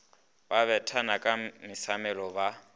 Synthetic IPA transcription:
baβɛtʰanakʼamisamɛlɔβa

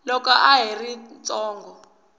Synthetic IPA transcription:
lɔkaʔaɦirint͡sʼɔːŋɡɔ

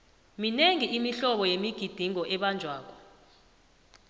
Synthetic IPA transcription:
mineŋiimiɬɔɓɔjemiɡ̥ʱid̥ʱiŋɔʔɛɓand͡ʒʱwaːk̬ʼɔ̥

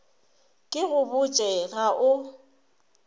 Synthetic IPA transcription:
kʼɪɣʊbʊt͡ʃʼɛɣaʔʊ

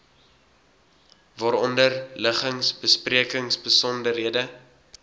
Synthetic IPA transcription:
vɑːɾɔndərləχəŋsbəspriəkəŋsbəsɔndərɦiədə

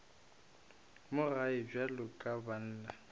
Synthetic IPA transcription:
mʊɣaɪb͡ʐalʊkʼaban̩ːla

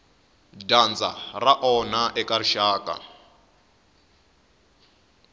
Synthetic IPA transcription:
dand͡za̰raʔɔnaʔɛkʼariʃaːkʼa̰

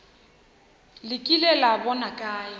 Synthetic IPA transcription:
lɪkʼilɛlabɔnakʼaːjɪ

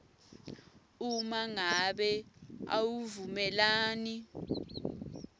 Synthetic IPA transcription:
umaŋaɓɛa̰wuvumɛlaːni

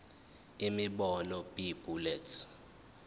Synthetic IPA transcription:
imiɓɔnɔbib̥ulɛtʰ

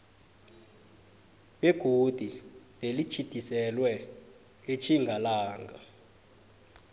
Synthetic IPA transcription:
ɓeɡ̥ʱud̥ʱi | ɓelit͡ʃʰid̥ʱisɛlwɛ | et͡ʃʰiŋʱalaːŋʱa

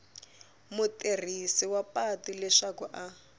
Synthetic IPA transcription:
muter̤isiwapatilɛʂakuʔa

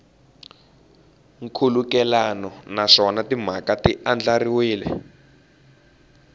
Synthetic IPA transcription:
ŋkʰulukɛlanɔnaʂɔnatim̤akatiʔand͡ɮariwiːlɛ̰

